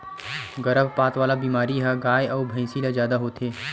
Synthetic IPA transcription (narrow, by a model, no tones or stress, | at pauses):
ɡɐɾəbpaːt̪ʋaːlabiːmaːɾiɦɛɡaːjɐːbʱɐ̃ɪ̃silazjaːd̪aɦoːt̪ʰeː